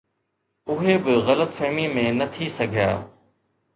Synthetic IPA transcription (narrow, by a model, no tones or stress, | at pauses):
ʊɦeːbɪɣələt̪fɛɦmiːmẽːnət̪ʰiːsəɡʱja̰ː